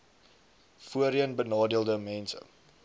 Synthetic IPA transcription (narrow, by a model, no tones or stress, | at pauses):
fuəɾiənbənɑːdiəlˠdəmɛnsə̰